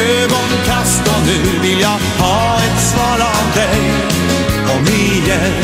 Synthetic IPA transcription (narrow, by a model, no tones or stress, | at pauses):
øːɡɔnkʰast̪ɔnʉvɪljɑ | hɑː | ɛt̪svɑːɾamd̪ɛj | ɔmi | jə